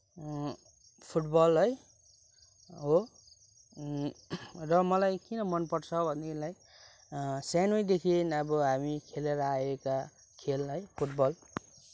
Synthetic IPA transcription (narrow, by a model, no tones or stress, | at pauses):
pʰuʈbʌlɦʌj | ɦo | rʌmʌlajkinʌmʌnpʌrt͡sʰʌbʱʌnːelaj | sanojd̪ekʰenʌbʌɦamikʰeleɾʌaeka | kʰelɦʌjpʰuʈbʌl